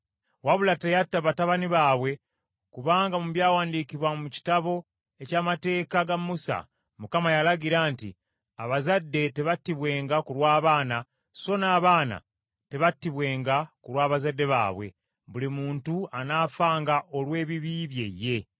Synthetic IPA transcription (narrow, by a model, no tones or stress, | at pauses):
waβulatejatːaβataβaniβaːβwe̞ | kuβaːŋɡamuβjaːwaːndikiβwamuci̥taβo̞ | e̞caːmate̞ːkaɡamːusa̰ | mukamajalaɡiɾaːntḭ | aβazadːe̞te̞βatːiβwe̞ːŋɡakulwaːβaːna | so̞naːβaːna̰ | te̞βatːiβwe̞ːŋɡakuɾwaːβazadːe̞βa̰ːβwe̞̰ | βulimuːntuanaːfaːŋɡaʔo̞lwe̞ːβiβiβje̞̰je̞